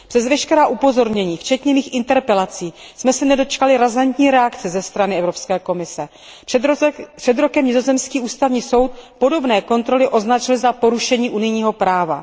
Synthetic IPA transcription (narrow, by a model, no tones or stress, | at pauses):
pr̥ɛzvɛʃkɛɾaːʔupo̞zo̞ɾɲɛɲiːft͡ʃɛt̪ɲɛmiːxʔɪnt̪ɛɾpɛlat͡siːsmɛsɛnɛdo̞t͡ʃkalɪɾazant̪ɲiːɾɛakt͡sɛzɛst̪ɾanɪɛvɾo̞pskɛːko̞mɪsɛ | r̥ɛd̪ɾo̞kɛmɲɪzo̞zɛmskiːʔuːst̪avɲiːso̞wt̪̚po̞do̞bnɛːko̞nt̪ɾo̞lɪʔo̞znat͡ʃɪlzapo̞ɾuʃɛɲiːʔunɪjɲiːɦo̞pɾaːva̰